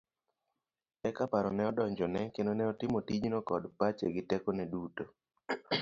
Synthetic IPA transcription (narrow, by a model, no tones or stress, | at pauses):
ɛkapaɾɔnɛɔdɔɲd͡ʒɔnɛkendonɛɔtɪmotid͡ʒnɔkɔdpat͡ʃeɡɪtɛkonɛduto